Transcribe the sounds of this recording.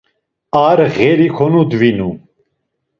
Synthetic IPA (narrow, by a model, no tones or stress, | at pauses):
aɾɣɛɾikʰɔnud̪vinu